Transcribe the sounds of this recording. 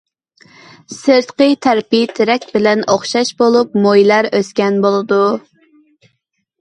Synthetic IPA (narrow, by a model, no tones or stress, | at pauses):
sɨɾt̪qət̪ʰæɾpit̪ʰɪɾɛkʲbɪlɛnoχʃɑʃbolˠup̚mojlæɾøskʲɛnbolˠɨd̪u